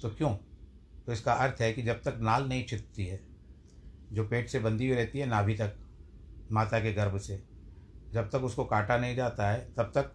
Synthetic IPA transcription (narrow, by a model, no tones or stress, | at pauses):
t̪oːkjõː | t̪oɪskaɐɾt̪ʰɦɛkid͡ʒɐb̚t̪ɐknaːlnɐɦĩt͡ʃʰɪt̪t̪iɦɛː | d͡ʒoːpeːʈsebɐ̃nd̪ibʱiɾɛɦt̪iɦɛnabʱit̪ɐk | maːt̪akeɡɐɾbse | d͡ʒɐb̚t̪ɐkʊskokaːʈanɐɦĩd͡ʒaːt̪aɦɛːt̪ɐb̚t̪ɐk̚